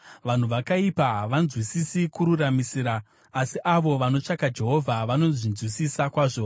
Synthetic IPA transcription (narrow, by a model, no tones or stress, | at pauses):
ʋan̤uʋakaipaʋanzwisisikuɾuramisiːɾaː | siʔaʋo̞ʋano̞t͡ʂakad͡ʒe̞ɦo̞vʱaʋano̞zinzwisisakwaːʐo̞